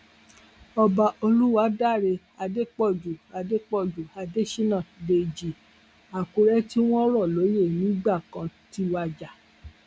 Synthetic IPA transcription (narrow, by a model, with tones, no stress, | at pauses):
ɔ˧ba˧o˧lu˦wa˨˦da˦˨ɾe˧ | a˧de˦k͡pɔ˦˨d͡ʒu˨a˨˧de˦k͡pɔ˦˨d͡ʒu˨a˧de˦ʃi˦nã˦˨de˧˨d͡ʒi˨ | a˨ku˨˦ɾɛ˦ti˦w̃ɔ̃˦ɾɔ˦˨lo˨˦je˦˨nĩ˨˦ɡ͡ba˦˨kã˨˧ti˧˦wa˧d͡ʒa˨